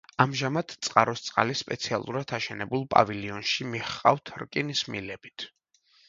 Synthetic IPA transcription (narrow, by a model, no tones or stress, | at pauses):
amʒamat̪ʰt̪sʼqʼaɾɔst̪sʼqʼa̰lispʼɛt̪sʰialˠuɾad̪ʰaʃɛnɛbulˠpʼa̰viliɔnʃimiχqʼa̰vt̪ʰɾkʼinismḭlɛbit̪ʰ